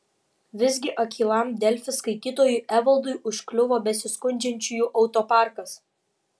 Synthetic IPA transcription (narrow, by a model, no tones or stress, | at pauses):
ʋʲɪzʲɡʲɪʔɐkʲʰiːlˠɐˑmd̪ʲɛlʲfʲɪskɐɪt̪ʲiːt̪oːjʊˑʔæʋɐlˠd̪ʊɪʔʊʃʲklʲʊʋoːbʲɛsʲɪskʊnʲd͡ʒʲɛnʲt͡ʃʲʊjuːˑʔɒʊt̪oːpɑˑɾkɐs